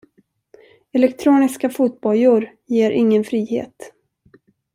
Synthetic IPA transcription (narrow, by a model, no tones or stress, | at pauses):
ɛlɛkt̪ʰɾuːnɪskafuːt̪̚bɔljuːɾ | jeːɾʔɪŋːənfɾiːhḛːt̪